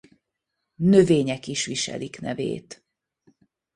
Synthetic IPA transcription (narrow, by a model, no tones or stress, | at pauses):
nøveːɲɛkiʃʋiʃɛ̰liknɛvḛːt̪